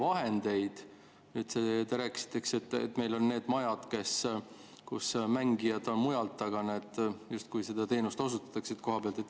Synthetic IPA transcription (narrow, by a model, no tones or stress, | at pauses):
vɑɦe̞nd̪e̞jd̪̥ | et̪set̪eɾækːˑsi̥t̪ˑːe̞kset̪ːˑḛt̪ːme̞jlo̞nːe̞ːd̪mɑjɑd̪̥ke̞s | kusmæŋɡ̥ijɑd̪̥o̞nmujɑlt̪ːˑɑɡ̥ɑnet̪ːˑjust̪kujse̞d̪̥ɑt̪e̞ːnust̪o̞s̬ut̪ːˑɑ̥t̪ːˑɑkset̪ko̞ɦɑb̥eɑlt̪et̪ː